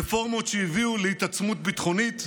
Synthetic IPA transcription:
efo̞ʁmo̞t̪ʃeiviulehit̪at͡smut̪̚bit̪χo̞nit̪

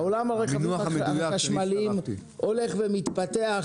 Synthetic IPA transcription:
olamoʁeχnuejaaʃmalim | o̞le̞χvemit̪pat̪ea

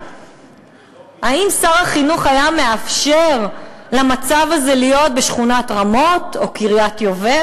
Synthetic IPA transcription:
haimsaʁhaχinuχajame̞afʃeʁlamat͡savazelijo̞t̚beʃχunatʁamo̞to̞kiʁjatjo̞ve

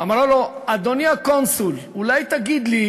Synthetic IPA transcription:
amʁaload̪oniakonsul | ulajt̪aɡid̪li

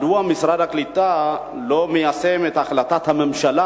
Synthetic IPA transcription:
d̪uamisɾad̪aklit̪ːa | lomejasemet̪axlat̪at̪hamamʃala

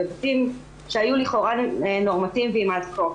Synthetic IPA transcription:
odtim | ʃeajuliχo̞ʁaeno̞ʁmatimveimadko

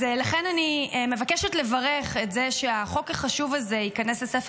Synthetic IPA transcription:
elaχenanime̞vakeʃotle̞vaʁeχetzeʃeaχo̞kaχaʃuvalzeikaneslesef

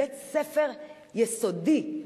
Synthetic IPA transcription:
et̪sefeʁ | jesod̪i

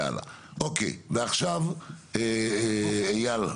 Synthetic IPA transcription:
a̰la̰ | ʔokḛveaχʃave | ejal

